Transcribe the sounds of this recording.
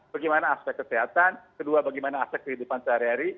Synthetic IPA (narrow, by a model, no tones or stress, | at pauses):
b̥aɡijmanaːspɛkːəsiɦat̪ankəduabaɡajmanaːspɛk̚ːəɦidupansəɦaɾiɦaɾi